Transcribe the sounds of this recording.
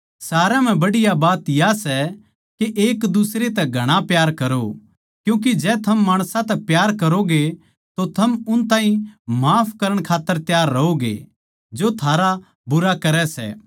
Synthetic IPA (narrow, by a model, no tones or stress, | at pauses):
saːɾam̤ɛ̃bɐɽɪjabaːt̪jasɛ | keʔeːkd̪ʊsɾet̪ɛɡʱɐɽ̃apjaːɾkɐɾo | kjũːk̬id͡ʒɛːt̪ʰɐmːaːɽ̃sãt̪ɛpjaːɾkɐɾoɡe | t̪ot̪ʰɐmʊnt̪aːɦĩmaːpʰkɐɾəɽ̃kʰaːt̪ːəɾt̪jaːɾːɐɦoɡḛ | d͡ʒot̪ʰaːɾa | bʊɾakɐɾɛsɛ̰ː